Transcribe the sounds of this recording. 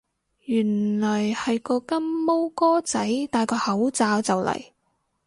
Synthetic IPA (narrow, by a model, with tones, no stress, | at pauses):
jyː˨˩nlɔː˨˩jhɐ˨jkɔː˧kɐ˥nmo˥wkɔː˥t͡sɐ˨˥jt̪aː˨jkɔː˧hɐ˨˥wt͡saː˧wt͡sɐ˨wlɐ̰˨˩j